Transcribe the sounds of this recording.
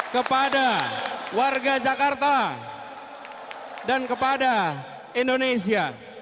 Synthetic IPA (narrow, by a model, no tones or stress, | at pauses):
kəpadawarɡad͡ʒakart̪a | dankəpada | indones̬ia